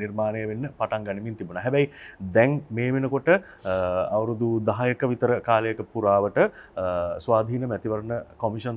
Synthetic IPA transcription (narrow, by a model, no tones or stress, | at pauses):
nirmaːnejəʋenːəpaʈaŋɡanimint̪ibunaːɦɛbɛid̪ɛŋmeːʋenəkoʈə | aʋəɾud̪ud̪aɦajəkəʋit̪əɾəkaːləjəkəpuɾaːʋəʈə | sʋaːd̪ʱiːnəmæt̪iʋəɾənəkomiʂɐn